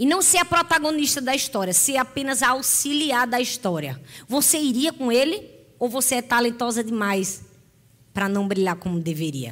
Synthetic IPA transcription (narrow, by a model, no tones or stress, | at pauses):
ɪnɐ̃w̃seɾɐpɾɔt̪aɡõniʃt̪ɐd̪ɐiʃt̪ɔɾiɐseapẽnɐzaawsiliaɾd̪ɐiʃt̪ɔɾiɐvoseiɾiɐkõelɪ | owvoseɛt̪alẽnt̪ɔzɐd̪ɪmajs | pɾɐnɐ̃w̃bɾiʎaɾkõmʊd̪eveɾḭɐ̰